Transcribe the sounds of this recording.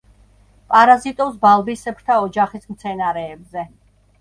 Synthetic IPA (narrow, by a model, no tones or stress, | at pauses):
pʼaɾazit̪ʼɔs̬balˠbisɛpʰɾt̪ʰaɔd͡ʒaχismt̪sʰɛnaɾɛːbzɛ